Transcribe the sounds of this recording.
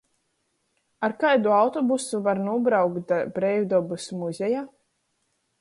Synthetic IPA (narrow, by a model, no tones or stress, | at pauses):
aɾkajd̪uawt̪ɔbusuvaɾnuɔbɾawkt̪bɾɛjvd̪ɔbusmuzʲeja